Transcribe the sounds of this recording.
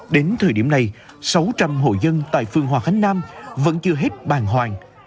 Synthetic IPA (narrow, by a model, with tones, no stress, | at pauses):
ɗe˨˦nt̪ʰəː˨˩jɗi˧˩əmna˨˩j | sa˨˦wt͡ɕa˧mɦo̰˧˨jzə˧nt̪a̰ː˧˨jfɨ˧˩əŋhwaː˨˩xa˨˦ŋ̟naː˧mvə̰˧˥nt͡ɕɨ˧əɦe˦˥t̚ɓaː˨˩nɦwaː˨˩ŋ